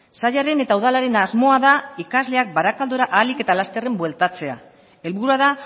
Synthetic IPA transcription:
saʎaɾe̞ne̞t̪auðalaɾe̞nazmo̞aðaikazle̞ak̚baɾakald̪oɾaʔaːlike̞t̪alast̪e̞re̞mbwe̞lt̪at͡se̞a | e̞lβuɾuað̞a

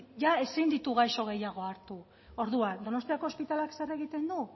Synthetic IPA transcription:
ʝae̞sind̪it̪uɣ̞ajʃo̞ɣ̞e̞jaɣ̞o̞aɾt̪u | o̞ɾðuand̪o̞no̞st̪iako̞ːspit̪alakse̞ɾe̞ɣ̞it̪e̞nd̪u

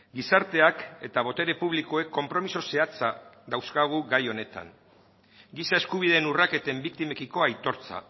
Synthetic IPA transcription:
ɡisaɾt̪e̞ake̞t̪aβ̞o̞t̪e̞ɾe̞puβliko̞e̞kʰːo̞mpɾo̞miso̞se̞at͡saðawskaɣ̞uɡajo̞ne̞t̪a̰ŋ | ɡisae̞skuβ̞ið̞e̞ːnurake̞t̪e̞mbikt̪ime̞kiko̞ajt̪o̞ɾt͡sa̰

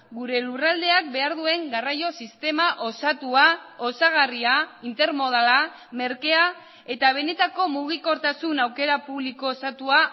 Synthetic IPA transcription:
ɡuɾe̞lurald̪e̞ak̚be̞aɾðue̞ŋɡarajo̞sist̪e̞maʔo̞sat̪uao̞saɣ̞ariaint̪e̞ɾmo̞ð̞ala | me̞ɾke̞a | e̞t̪aβ̞e̞ne̞t̪ako̞muɣ̞iko̞ɾt̪asunawke̞ɾapuβliko̞sat̪ua

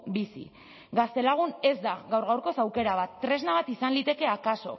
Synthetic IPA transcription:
bisḭ | ɡast̪e̞laɣ̞une̞zd̪aɣawɾɣawɾko̞sawke̞ɾaβat̪ːɾe̞znaβat̪isanlit̪e̞ke̞akaso̞̰

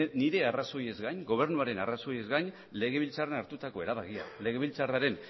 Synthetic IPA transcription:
niɾe̞araso̞je̞zɣajɲɡo̞β̞e̞ɾnuaɾe̞naraso̞je̞zɣajn | le̞ɣ̞e̞βilt͡sarenaɾt̪ut̪ako̞e̞ɾaβaɣia̰le̞ɣe̞β̞ilt͡saraɾe̞n

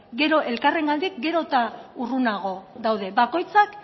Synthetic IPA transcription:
ɡe̞ɾo̞ʔe̞lkare̞ŋɡald̪ikɡe̞ɾo̞t̪aurunaɣ̞o̞ðawðe̞βako̞jt͡sak

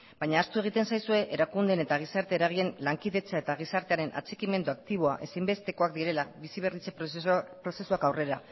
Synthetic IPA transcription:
bajɲaːst̪ue̞ɣ̞it̪e̞nsajsue̞ʔeɾakund̪e̞ne̞t̪aɣ̞isaɾt̪eːɾaɣ̞ie̞nlaŋkiðe̞t͡sae̞t̪aɣ̞isaɾt̪e̞aɾe̞nʔa̰t͡sekime̞nd̪uak̚t̪iβ̞o̞aʔe̞sejmbe̞st̪e̞ko̞akd̪iɾe̞laβisiβ̞e̞rit͡sepɾo̞se̞suakawre̞ɾa

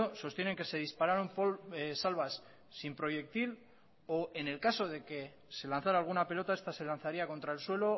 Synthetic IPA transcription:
oso̞st̪je̞neŋke̞se̞ðispaɾaɾo̞mposalβ̞asː | impɾo̞je̞k̚t̪il | oʔene̞lkaso̞ð̞e̞ke̞ | se̞lan̟θaɾaːlɣunape̞lo̞t̪ae̞st̪ase̞lanθaɾiako̞nt̪ɾaelswe̞lo̞

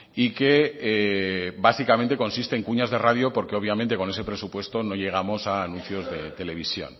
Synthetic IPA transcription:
ikeebasikamẽ̞nt̪e̞ko̞nsist̪e̞ːŋkuɲazðe̞raðjo̞po̞ɾke̞o̞βjament̪e̞ko̞ne̞s̬e̞pɾe̞supwe̞st̪o̞no̞ʎe̞ɣ̞amo̞saːnũn̟θjo̞zðe̞t̪e̞le̞β̞isjo̞̰n

